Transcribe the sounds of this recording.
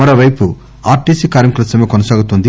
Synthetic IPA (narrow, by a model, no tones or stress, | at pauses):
ɐɾɐʋɐjpu | aːɾʈiːsikaːɾmɐklɐsɐmeːkɔnɐsaːɡut̪ːond̪i